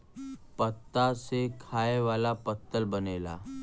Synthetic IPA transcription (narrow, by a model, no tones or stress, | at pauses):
pət̪ːasekʰaeʋalapət̪ːəlbənela̰